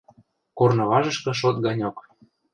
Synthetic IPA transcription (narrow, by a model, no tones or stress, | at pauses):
kornɤ̆βɑʒɤ̆ʃkɤ̆ʃ̬ot̪̚ɡɑnʲok